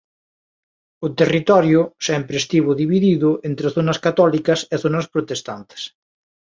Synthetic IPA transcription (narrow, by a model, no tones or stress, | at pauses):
ʊt̪erit̪ɔɾjʊsɛmpɾest̪iβʊðiβiðiðʊent̪ɾeθonɐskat̪ɔlikɐseθonɐspɾot̪est̪ant̪e̥s